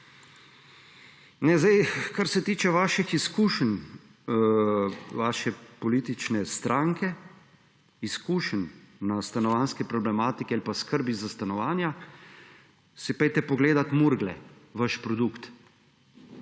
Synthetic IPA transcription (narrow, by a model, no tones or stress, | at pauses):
nɛzd̪ɛjkaɾsɛt̪iːt͡ʃɛʋaːʃixiskuːʃən | ʋaːʃɛpɔliːt̪it͡ʃnɛst̪ɾʔaːŋkɛ | iskuːʃənːast̪anɔʋanskɛpɾɔblɛmaːt̪ikɛalipaskəɾbizast̪anɔʋaːnja | sipɛjt̪ɛpɔɡleːd̪at̪muɾɡlɛ̰ʋaʃpɾɔd̪ukt̪